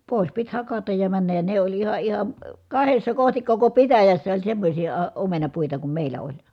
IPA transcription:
poˑis pit hɑkɑtɑj jɑ mænːæj jɑ ne olʲ ihɑ ihɑ kɑhesːɑ kohtik koko pitæjæsːæ olʲ semːosʲi ɑˑ omenɑpuitɑ kum meˑilˑæ olʲ

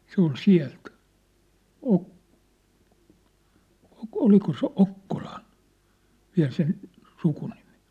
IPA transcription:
se ol siæ̝lt ok oliko se okːol̥ɑ̥n̥ ʋiæ̝l sen sukunimi̥

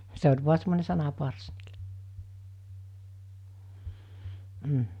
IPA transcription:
se olʲ ʋuɑ semːone sɑnɑpɑrs m̩

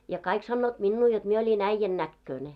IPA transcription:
jɑ kɑik sɑnːoːt minːuː jot mie olʲin æĭjːæn nækːøːne

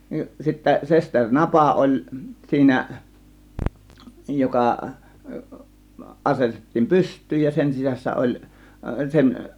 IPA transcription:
nin sitːæ sesterʲ nɑpɑ olʲ siːnæ jokɑ ʔɑsetetːiːm pystˑyːj jɑ sen sisæsːæ ʔolʲ sen

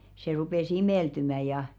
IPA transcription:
se rupeˑs imeˑltymæ jɑ

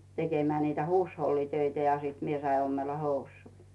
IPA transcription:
tekemĕæˑ niːtæ huːsholːitøitæ jɑ siːt mie sɑi omːelːɑ housˑuːĭ

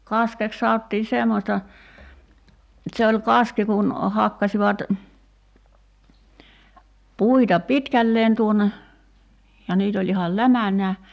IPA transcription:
kɑskek sɑotːiː semːosʲtɑ se olʲ kɑski kun hɑkːɑsiʋɑt puitɑ pitkælːeːn tuonˑe jɑ niːt olʲ ihɑl læmænˑæː

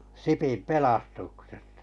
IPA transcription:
sipim pelɑstuksestɑ̥

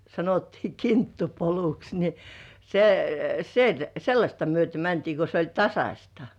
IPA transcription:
sɑnotːiː kintːupoluks ni se sel selːɑsʲtɑ myøte mæntiː ko se olʲ tɑsɑsʲtɑ

